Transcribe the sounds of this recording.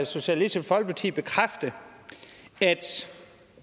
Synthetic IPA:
so̝ɕælisfɒ̽l̰ɡ̥̚pʰɑ̈t͡sʰḭːb̥e̝kʰʁafd̥ə | æd̥

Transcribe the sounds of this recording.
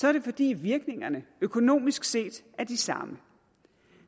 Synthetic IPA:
sɒ̽æɐɾ̥e̝fɒ̽d̥ḭːʋiɐɡ̥ne̝ŋɐnəøkʰo̝no̝̰ːmisɡ̥se̝̰ːd̥ | æɐd̥isɑ̈mə

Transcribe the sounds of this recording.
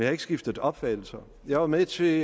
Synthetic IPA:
njɑ̈e̝ɡ̥əsɡ̥ifd̥əðɒ̽b̥fæ̰̥l̩sɐ | jɑ̈ɪʋɑ̈met͡sʰe̝

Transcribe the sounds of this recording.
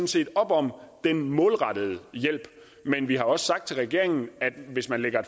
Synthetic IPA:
n̩se̝̰ːd̥ɒ̽b̥ɒ̽md̥enmɔ̽ːlʁɑ̈d̥əð̞̩ˠəjel̰b̥ | menʋihɑ̈ɒ̽ssɑ̈ɡ̥̚t͡sʰe̝lʁaɡ̥e̝ɐ̰e̝ŋn̩æd̥ʋe̝smænleɡ̥ɐe

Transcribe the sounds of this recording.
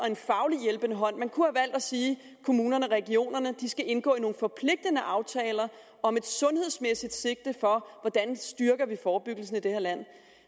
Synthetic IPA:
ɒ̽e̝nfɑ̈ʊlijelb̥ənəɦɒ̽n̰mænkʰuhæʋæl̰d̥æsiː | kʰo̝muːnɐnəɒʁɛɡ̥io̝̰ːnɐnəd̥isɡ̥æʔe̝nɡ̥ɔ̰ːino̝ːn̩fɒ̽pʰle̝ɡ̥̚d̥ənəʔɑ̈ʊt͡sʰɛːlɐ | ɒ̽me̝d̥sɔ̽nhe̝ð̰ˠsmesid̥se̝ɡ̥̚d̥əfɒ̽ʋɒd̥ænsd̥yɐɡ̥ɐʋifɒːb̥yɡ̥l̩s̬n̩id̥e̝hɐlæn̰

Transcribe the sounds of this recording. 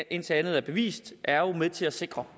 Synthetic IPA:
ʔe̝n̰t͡sʰe̝lænð̞̩ˠæɐb̥e̝ʋḭːsd̥ʔæɐomeðˠt͡sʰe̝læse̝ɡ̥ʁɐ

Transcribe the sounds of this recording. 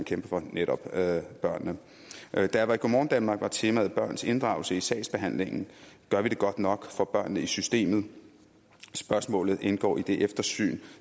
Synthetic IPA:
nkʰemb̥ɐfɒ̽neɾ̥ɒ̽b̥b̥ɶɐ̰nːə | d̥æʋɑ̈iɡ̥omɒ̰ːnd̥ænmɑ̈ɡ̥ʋɑ̈t͡sʰe̝mæːð̩ˠb̥ɶɐ̰nse̝nd̥ʁɑ̈ʊl̩səisɛ̰ɪsb̥e̝ɦæn̰le̝ŋn̩ɡ̥ɶɐʋiɾ̥e̝ɡ̥ɒ̽d̥nɒ̽ɡ̥fɒ̽b̥ɶɐ̰nːəisysd̥e̝̰ːmð̞̩ˠ | sb̥ɶɐsmɔ̰̽ːlð̩ˠʔe̝nɡ̥ɒ̰ːid̥e̝ʔefd̥ɐsy̰ːn

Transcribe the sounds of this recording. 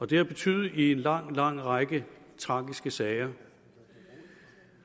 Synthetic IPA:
ɒ̽d̥e̝æɐb̥e̝t͡sʰy̰ːðð̩ˠie̝nlɑ̈ŋ̰lɑ̈ŋ̰ʁɑɡ̥ət͡sʰʁɑ̈ːɡ̥isɡ̥əsɛːɪɐ

